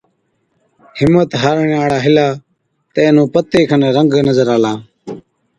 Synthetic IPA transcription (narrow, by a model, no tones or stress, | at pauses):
hɪmːət̪ɦaːɾɳaːɽaːɦɪlaː | t̪eːnũːpət̪ːeːkʰənɾəŋɡnəzəɾaːlaː